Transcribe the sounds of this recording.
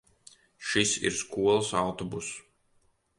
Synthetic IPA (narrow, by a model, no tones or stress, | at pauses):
ʃisḭɾskuɔlˠsawt̪ɔbus